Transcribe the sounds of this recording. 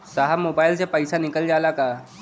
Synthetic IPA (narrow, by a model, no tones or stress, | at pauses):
saɦamoːbaːjlsepəjsanɪkəld͡ʒalaka